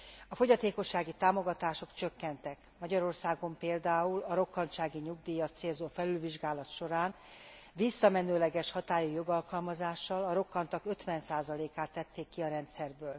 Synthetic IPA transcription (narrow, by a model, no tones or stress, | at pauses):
ɒfo̞ɟɒt̪eːko̞ʃːaːɡit̪aːmo̞ɡɒt̪aːʃo̞kt͡ʃø̞kːɛnt̪ɛkmɒɟɒɾo̞rsaːɡo̞mpeːld̪aːulɒɾo̞kːɒnt̪ʃaːɡiɲuɡd̪iːjɒt̪seːlzoːfɛlylviʒɡaːlɒt̪ʃo̞ɾaːn | ʋisːɒmɛnøːlɛɡɛʃhɒt̪aːjujo̞ɡɒlkɒlmɒzaːʃːɒlɒɾo̞kːɒnt̪ɒkø̞t̪ʋɛnsaːzɒleːkaːt̪ːɛt̪ːeːkːiɒɾɛnt̪sɛrbøːl